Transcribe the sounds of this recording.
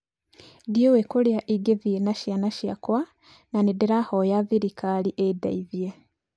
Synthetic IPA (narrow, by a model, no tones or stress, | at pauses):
djewekuljaʔiɡevinaʃjanaʃja̰kwa | nanidiɾahojaviɾikaliʔeda̰ivje